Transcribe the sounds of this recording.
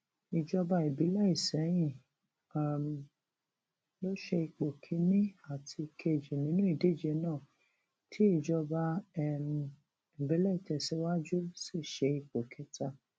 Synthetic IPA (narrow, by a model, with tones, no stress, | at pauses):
i˨d͡ʒɔ˧ba˧i˨bi˨˦la˦i˦˨sɛ˨˦j̃ĩ˦˨ | a˨m | lo˦ʃɛ˧i˧k͡po˨kʰi˨˧˦nĩ˦a˦˨tʰi˧kʰe˧˨d͡ʒi˨nĩ˨˦nũ˦i˦˨de˨˦˨d͡ʒɛ˧˦nãː˦˨ | tʰi˨˦i˦˨d͡ʒɔ˧ba˧ɛ˦˨m | i˨bi˨˦lɛ˦i˦˨tɛ˨sɛ˨˦wa˦d͡ʒu˦si˦˨ʃɛ˧i˧k͡po˨kʰɛ˨˦ta˧